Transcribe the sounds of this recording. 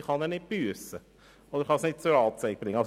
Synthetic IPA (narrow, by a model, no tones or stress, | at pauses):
χɑnɛːnɪt̚b̥yəsə | od̥̪əɾχɑsnɪt̚t͡suɾɑːt͡seɪk̚b̥ɾɪŋːəɑ